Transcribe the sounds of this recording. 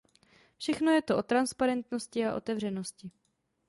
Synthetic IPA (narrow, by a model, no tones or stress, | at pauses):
fʃɛxno̞jɛt̪o̞ʔo̞t̪ɾanspaɾɛnt̪no̞scɪaʔo̞̰t̪ɛvr̝ɛno̞scɪ